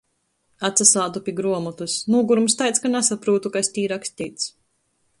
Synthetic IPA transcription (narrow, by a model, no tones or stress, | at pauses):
at̪sasaːd̪upʲiɡɾuɔmut̪usnuɔɡuɾumst̪ajt̪skanɛsapɾuːt̪ukaesʲt̪ʲiːɾaksʲt̪ʲiːt̪s